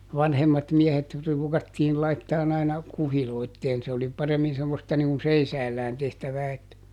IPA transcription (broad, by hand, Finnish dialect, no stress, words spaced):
ʋɑnhemːɑt miehet ruːkɑtːiːl lɑitːɑːn ɑinɑ kuhiloitːeːn se oli pɑremːin semːostɑ niŋ kun seisæːlːæːn tehtæʋæː etːæ